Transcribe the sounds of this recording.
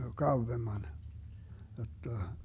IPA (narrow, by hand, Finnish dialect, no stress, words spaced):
kɑuʋːemːɑn jotːɑ